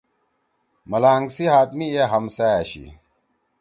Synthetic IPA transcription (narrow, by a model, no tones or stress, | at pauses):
mɐlaːŋɡsiɦaːt̪mieɦɐmsɐjɐɕḭ